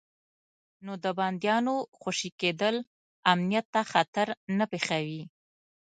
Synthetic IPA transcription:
nod̪əbɑnd̪jɑnoxoʃiked̪əl | amnijat̪ːaxat̪aɾnapexawi

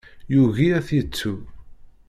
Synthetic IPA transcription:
juʝiæθət͡sːu

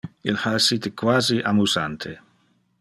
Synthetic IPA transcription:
ilhaesːit̪ekwaːziʔamuzant̪ʰe

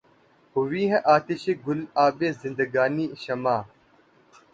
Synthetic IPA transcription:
hʊʋiːɦẽʔaːt̪iɕeɡʊlaːbeːzɪ̃nd̪ɐɡaːniːɕɐmaː

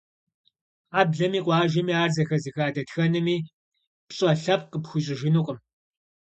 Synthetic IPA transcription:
aːbɮɐmiːqʷʼɑːʒɐmiːaːrzɐxɐziːxaːdɐtxɐnɨmiː | pɕʼɐɬɐp̚qəpxʷʊɕʼɪʒɪnuːqʼəm

